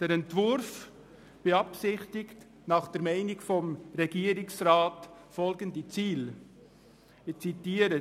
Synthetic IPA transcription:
d̥ɛɾɛntvʊɾf | b̥eɑpsɪχtɪkt | nɑχd̥ɛɾmɛɪnɪɡfɔmɾɛɡiːəɾɪksrɑːtfɔlɡəndit͡siːl | ɪt͡sitiːəɾə

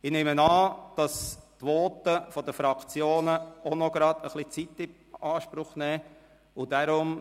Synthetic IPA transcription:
ɪneːmənɑːd̥ɑst̪ʋoːt̪əfɔd̪əfɾɑkʰt͡sjoːnəɔnɔɡ̥ɾɑd̥̪əχlit͡sit̪ːɪ | ɑːʃpɾʊχnɛː | ʊd̥aɾʊm

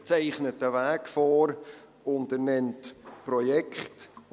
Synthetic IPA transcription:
t͡sɛɪχnətːəvæːkfɔːɾ | ʊndənɛntprɔjɛkχt

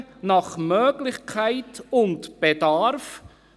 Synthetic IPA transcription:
nɑχmœːɡlɪχkʰaɪtʊntb̥edɑɾf

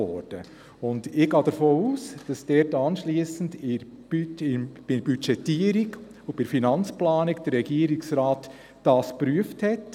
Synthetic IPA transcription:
ɔ̰ɾd̥ə̰ | ʊndɪɡɑːd̥əɾfoːuːsd̥ɑsd̥ɛɾtɑnʃliːəsən̩dɪ̥ | yɪb̥ɪb̥yt͡ʃɛtːiəɾik | ʊb̥ɪfinɑnt͡splɑːnikd̥əɾːɛɡiəɾɪksɾaːt | d̥ɑːspɾyəfthɛt

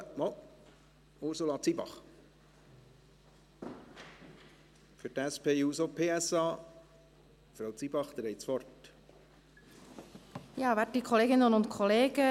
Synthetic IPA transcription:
mɔl | ʊɾsulɑt͡sibɑ̰χ | fʏɾtæspʰeːuːsopʰeːɛsɑː | fɾawt͡sibɑχd̪əɾɛɪt͡sʋɔrt | jɑːvɛddikʰɔleːɡɪnənʊntkʰɔleːɡə

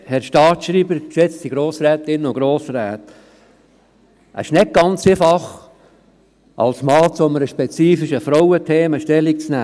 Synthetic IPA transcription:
hɛɾʃtɑːtʃɾiːbəɾkʃɛt͡ssiɡɾoːsɾɛːt̪ɪnːəʊɡɾoːsɾæːt | ə̰ɪʃnɪt̚ɡ̥ɑnt͡sefɑχ | ʔɑ̰lsmɑːt͡soməɾəʃpɛt͡siːfɪʃəfɾɔwət̪ʰeːməʃtɛlik̚t͡snæː

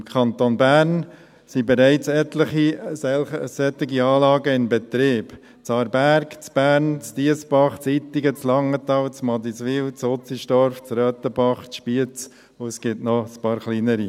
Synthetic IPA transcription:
ɪmkʰɑnt̪onbæːɾn | sibɛɾæɪt͡sɛt̪ləχiɛəsɛt̪ɪɡiɑːlɑːɡəɪmbɛt̪ɾiːb̥ | t͡sɑɾbæɾkt͡sb̥æːɾnt͡st̪iəsbɑχt͡sit̪ɪɡət͡slɑŋːət̪ɑwt͡smɑd̪isʋɪwt͡sot͡siʃtɔɾft͡srœːt̪əbɑχt͡sʃpiət͡s | ʊsɡ̥ɪtnɔspɑːɾχliːnəɾi

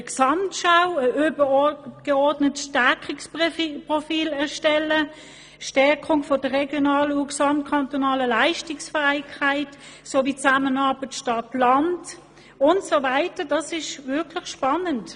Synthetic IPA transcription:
əksɑmtʃaʊəʔøbəɡ̥eɔɐdnətʃtɛɐkɪkspʁofiːlɛɐʃtɛlə | ʃtɛɐkʰʊŋfɔd̥əʁɛɡjonɑːləuksɑmtkʰɑntonɑːləlaɪʃtɪksfaɪkaɪt | soːviːt͡samənɑɐb̥ətʃtɑtlɑnt | ʊntsovaɪtəd̥ɑsɪʃvɪɐkʰlɪχʃpɑnənt

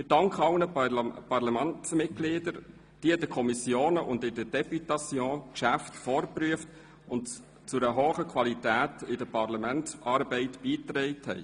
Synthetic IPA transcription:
ɪd̥ɑŋkχɑlnəpɑɾlamæntsmɪt̚ɡ̥liːdəɾ | d̥iəd̥əkʰɔmisjoːnəʔʊndɪdəd̥ɛpytɑsjɔ̃ːkʃæftfɔːɾpryəft | ʊnt | t͡sʊɾəɦoːχəkʰʋwɑlitæːtɪdəpʰɑɾlɑmæntɑːɾbɛɪtb̥iːt̪ɾɛɪthɛ̰ɪ

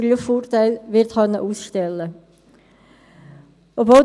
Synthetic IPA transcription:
ɡlyffoːrtaɪlʋɪɾtχœnːə̰ʔuːsʃtɛlːə | ʔobvoːl

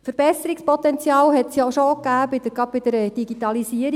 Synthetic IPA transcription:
fəɾb̥ɛsəɾikspɔt̪ɛnt͡sjɑːlɦɛtsjɔʃokːæːbɪd̥̪əɡ̥ɑd̚bɪd̥̪əɾɛd̥iɡit̪ɑlisiəɾ

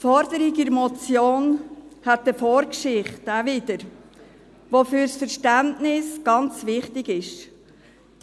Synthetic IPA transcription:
fɔɾdəɾiɡiɾmɔt͡sjoːnhɛt̚ːəfɔːɾkʃɪχtævɪdəɾ | ʋofyɾsfəɾʃtæntnɪsɡ̥ɑnt͡svɪχtɪɡɪʃ

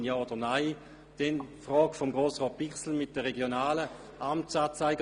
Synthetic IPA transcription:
jaːod̥ənaɪ | d̥ɛnfʁɔːɡ̥fomɡʁoːsʁɔːt̚piχsl̩mɪt̚d̥əʁeɡjonaːlə | ʔamt͡saːt͡saɪɡ

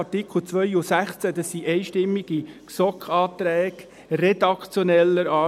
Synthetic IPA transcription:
tikl̩t͡sʋœʏusæχt͡sæd̪ɑsːiʔɛɪʃtɪmːiɡ̥iksɔkʰχɑːt̪ɾɛːɡ̥ | red̪ɑkt͡sjɔnɛlːəɾɑː

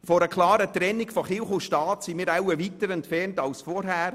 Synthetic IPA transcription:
fɔɾəkʰlɑːɾətɾɛnːɪkfɔχɪlχʊʃtɑːtsimiːɾawəʋitəɾɛntfɛrntɑlsfɔɾɦæːɾ

